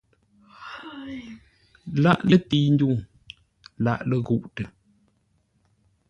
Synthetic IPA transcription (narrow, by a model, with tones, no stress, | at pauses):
la̰˦ʔlə˦ti˦n˦du˦˨ŋ | la̰˦˨ʔlə˦ɣu˦˨ʔtə˨